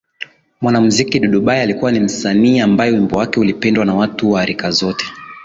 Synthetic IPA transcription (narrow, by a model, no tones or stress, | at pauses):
mwanamuzikiɗɔɗuɓajalikuwanim̩saniːambajɛwimbɔwakɛulipɛndwanawatuwaːɾikazɔtʰɛ̥